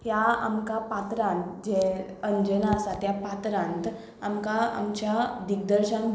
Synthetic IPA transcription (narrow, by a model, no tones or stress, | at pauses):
ɦjaa̰mkapat̪ɾãnt̪d͡ʑeəɲd͡ʑənasat̪japat̪ɾãnt̪ | amkaa̰mt͡ɕjad̪ik̚d̪əɾɕãn